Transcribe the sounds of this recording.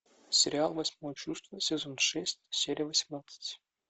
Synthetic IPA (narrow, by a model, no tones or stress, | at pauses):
sʲɪɾʲɪalˠvɐsʲmovət͡ɕust̪vəsʲɪzonʂɛsʲtʲsʲeɾʲɪjəvəsʲɪmnat̪sə̥tʲ